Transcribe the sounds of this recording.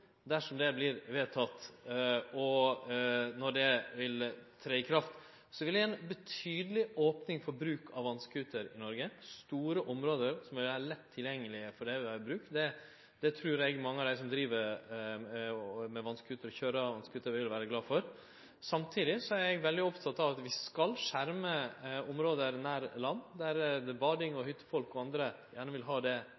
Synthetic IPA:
d̪æʂɔmd̪ɛblɪɾʋeːt̪ʰɑt̪ː | ɔ | nɔɖɛʋɪlt̪ʰɾeɪkʰɾɑft̪ | sɔʋɪld̪æɛnbət̪ʰyːd̪əlɪʔoːpnɪŋfɔɾbɾʉːkʰɑʋːɑnskʉːt̪əɾɪnɔɾɡəst̪uːɾəʔɔmɾoːd̪əɾsɔmʋɪlæɾɭɛt̪ʰːɪljɛŋːəlɪəfɔɖɛʋɪʋæɾbɾʉːk̚t̪d̪ɛ | d̪̥ɛt̪ʰɾʉːɾɛɡmɑŋːəɑd̪æɪsɔmd̪ɾiːʋəɾ | mɛʋɑnskʰʉːt̪əɾɔçøːɾəʋɑnskʉːt̪əɾʋɪʋɪlʋæːɾəɡlɑːfɔɾ | sɑmt̪ʰiːd̪ɪsɔæɾɛɡʋɛld̪ɪɔpt̪ʰɑt̪ːɑʋɑt̪ʋɪskɑlʂæɾməɔmɾoːd̪əɾnæːɾlɑnːd̪æɾbɑːɖɪŋɔhʏt̪ːə̥fɔlkɔɑnd̪ɾəjæːɳəʋɪlɦɑːd̪ɛ

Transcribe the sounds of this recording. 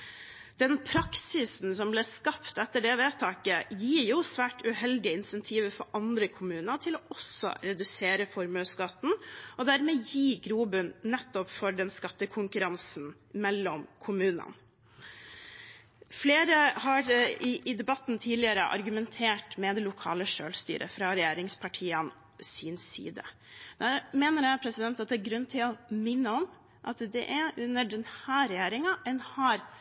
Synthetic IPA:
d̪̥ɛnpʰɾɑksɪsn̩sɔmblɛskɑpt̪ɛt̪ːəɖɛʋeːt̪ʰɑːkəjiːɾjuːsʋæːʈʉhɛld̪ɪəɪnsɛnt̪ʰiːʋəfɔɾʔɑnd̪ɾəkʰʊmʉːnəʈ̪ʰɪloːʔɔsɔ̰ɾɛd̪ʉseːɾəfɔɾmøːskɑt̪n̩ɔd̪æɾmɛːjiːɡɾuːbʉnnɛt̪ːɔpfɔɖɛnskɑt̪ːəkʰʊŋkʉɾɑnsn̩ | mɛlːɔmkʰʊmʉːnə̰n | fleːɾəhɑɾɪʔɪd̪ɛbɑt̪ːnt̪ʰiːlɪəɾə̰ʔɑ̰ɾɡʉmɛnt̪ʰeːʈmɛd̪ɛlʊkʰɑ̰ːləʂøːlst̪y̰ːɾʔə̰fɾɑɾɛjeːɾɪŋspʰɑʈʰiːən | sɪnsḭːd̪ə̰ | d̪̥æːɾmeːnəɾjæɪpʰɾɛsɪd̪ɛnt̪ɑt̪̚d̪ɛæɾɡɾʉnːt̪ʰɪlɔmɪnːəɔm | ʔɑt̪d̪ɛ̰ʔæɾʔʉnːəɖɛnhæːɾɛjeːɾɪŋɑʔɛnhɑɾ

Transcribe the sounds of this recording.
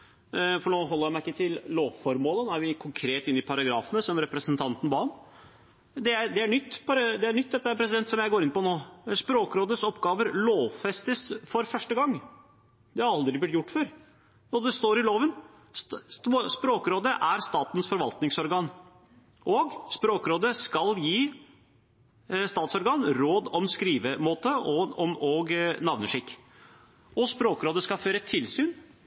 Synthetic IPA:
fɔɳoːɦɔlːəjæɪmæɪɪkːət̪ʰɪlloːʋfɔɾmoːlənoːæɾʋɪkʰʊŋkʰɾeːt̪ɪnːɪpʰɑɾɑɡɾɑːfənəsɔmɾɛpɾəsənt̪ʰɑnt̪n̩bɑn | d̪ɛæɾd̪ɛæɳʏt̪ːpʰɑɾd̪ɛæɳʏt̪ːd̪ɛt̪ːəpʰɾɛs̬ɪd̪ɛnt̪sɔmjæɪɡoːɾɪnpɔnoːspɾoːkɾoːd̪ət̪sɔpːɡɑːʋəɾloːʋfɛst̪əsfɔɾfœʂʈəɡɑŋː | d̪ɛhɑɾɑld̪ɾɪblɪt̪jʊʈːføɾ | nɔd̪ɛst̪oːɾɪloːʋən | spɾoːkəɾoːd̪əʔæɾst̪ɑːt̪ən̩sfɔɾʋɑlt̪nɪŋsɔɾɡɑːn | ʔɔɡspɾoːkɾoːd̪əskɑljiː | st̪ɑːt̪sɔɾɡɑːnɾoːd̪ɔmskɾiːʋəmoːt̪əɔɔmɔɡnɑʋnəʂɪkː | ɔspɾoːkɾoːd̪əskɑlføːɾəɛt̪ʰɪlsyːn

